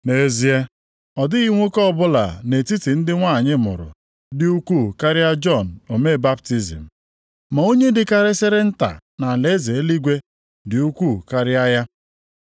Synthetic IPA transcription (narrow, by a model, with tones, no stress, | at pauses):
ne˨zi˦e˦ | ɔ˨dɪ˦ɣi˦ŋʷo˦kɔ˦˨bʊ˦la̰˨ne˨ti˦ti˨n̩˦dɪ˦ŋʷa˦˨ɲɪ˦mʊ̰˨ɾʊ̰˨ | dɪ˦u˦ku˦˨ka˦ɾɪ˦a˦d͡ʒɔ˦˨n̩˨o˨me˦˨ba˦pti˦zḭ˨m̩˨ | ma˨o˦ɲe˦dɪ˨ka˦ɾɪ˦sɪ˦ɾe˦n̩˦ta̰˨na˨le˦ze˨e˦li˦ɡʷe˦ | dɪ˨u˦kʷu˦˨ka˦ɾɪ˦a˦ja˦